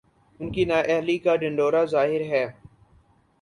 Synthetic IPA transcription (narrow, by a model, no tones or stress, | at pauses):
ʊnkinaːʔɛɦlikaɖɪ̃ɳɖoːɾazaːɦɪɾɦɛː